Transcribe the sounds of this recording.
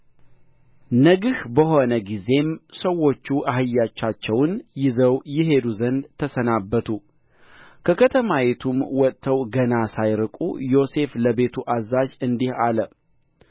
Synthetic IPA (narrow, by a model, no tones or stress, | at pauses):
nəɡɨhbəɦo̞nəɡize̞msəwːo̞t͡ʃːuʔaɦɨjːat͡ʃːat͡ʃːɛwnjɪzəwjɪɦe̞d̪uzənd̪t̪ʰəsənabːət̪ʰu | kʰəkʰət̪ʰəmawet̪ʰumwɔt̪ʼt̪ʰːəwɡənasajɾɨkʼṵjo̞se̞fləbe̞t̪ʰuʔazaʒɨnd̪ihalə